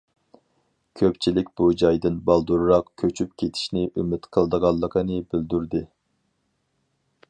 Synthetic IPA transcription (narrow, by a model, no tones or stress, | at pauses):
kʲʰøpt͡ʃʰilɪkʲbud͡ʒɑjd̪ɨnbɑlˠd̪uɾɾɑqkʲʰøt͡ʃʰyp̚kʲʰet̪ʰi̥ʃnɪʔymɪt̪qʰəlˠd̪əʁɑlˠːəqʰənɨbɪld̪yɾd̪ɨ